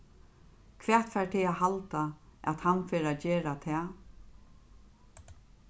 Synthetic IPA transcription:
kʰvɛːt̪fɛɹʈ̪ʰɪaɦalt̪aɛ̰t̪hanfeːɾat͡ɕeːɾat̪ʰɛː

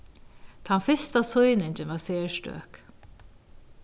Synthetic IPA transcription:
t̪ʰanfɪst̪asʊjnɪɲt͡ʃɪnʋaseːʂtø̰ːk

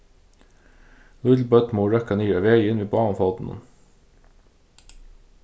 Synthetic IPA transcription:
lʉlbœt̪muːɹœkəniːəʋeɪɪnʋiːbɑːnfɔd̪n̩ə̰n

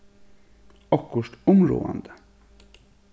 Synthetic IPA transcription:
ɔkːʊʂʈɔmɾṵːa̰nd̪ə

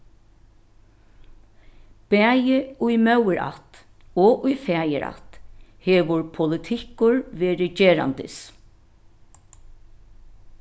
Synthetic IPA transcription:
pɛːjɪʊjmœwɪɾa̰t̪ | ɔʔʊjfɛːjɪ̰ɾʔa̰t̪hɛːʋʊɹpʰʊlɪt̪ʰɪkʊɹʋɛːɾɪd͡ʒeːɾa̰nt̪ɪ̰s

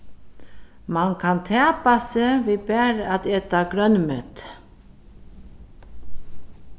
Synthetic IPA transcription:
mankʰant̪ʰɛːpasɛːviːbæːɾat̪eːt̪aɡɾœnmœt̪

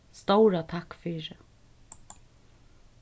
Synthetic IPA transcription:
st̪owɾat̪ʰakfiːɹɪ

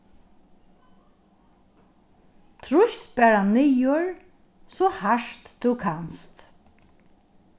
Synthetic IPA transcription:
t̪ʰɾʊʃt̪bæːɹanɪjʊɹ | sɔhaʂt̪d̪ʉwkʰanst̪

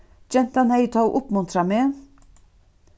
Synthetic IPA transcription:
d͡ʒɛnt̪ɑnhæɪt̪ʰɑ̰ːʔʊpmɵnt̪ʰɾɑmeː

